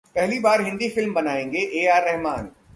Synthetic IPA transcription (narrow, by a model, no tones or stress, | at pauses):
pɛɦlibaːɾɦɪ̃nd̪ifɪlmbɐnaːẽːŋɡeʔeːaːɾːɛɦmaːn